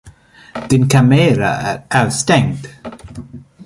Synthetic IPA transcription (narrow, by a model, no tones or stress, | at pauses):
d̪̥ɪnkʰameːɾa̰æɾaʉst̪ɛŋd̪̥